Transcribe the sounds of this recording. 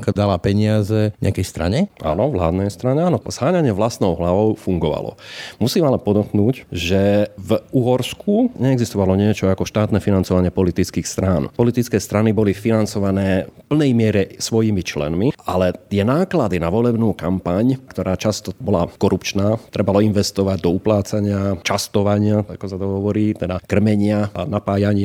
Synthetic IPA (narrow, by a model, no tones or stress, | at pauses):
kad̪alapɛɲɪazɛɲɛ̰akɛjst̪ɾa̰ɲɛʔa̰ːnɔvla̰ːd̪nɛjst̪ɾaɲɛaːnɔz̥ɦaːɲaɲɪɛʋlast̪nɔʊɦlaʋɔʊfuŋɡɔʋa̰lɔ̰musiːmɛalɛpɔd̪ɔknuːcʒɛvuɦɔɾskʰuɲɛːɡzist̪ɔʋalɔɲɪɛt͡ʃɔakɔʃt̪aːt̪nɛfinant͡sɔʋaɲɪɛpɔlit̪it͡skiːxst̪ɾaːnpɔlit̪it͡skɛːst̪ɾanibɔliffinant͡sɔʋanɛːfpl̩nɛjmɪɛɾɛsʋɔjimit͡ʃlɛ̰nmiʔalɛt̪ɪɛnaːklad̪inaʋɔlɛbnuːkampaɲkt̪ɔɾaːt͡ʃast̪ɔbɔlakɔɾupt͡ʃnaːt̪ɾɛbalɔinʋɛst̪ɔʋaɟd̪ɔuplaːt͡saɲɪat͡ʃast̪ɔʋaɲɪaakɔsat̪ɔɦɔʋɔɾiːt̪ɛd̪akr̩mɛɲɪaanapaːjaɲɪ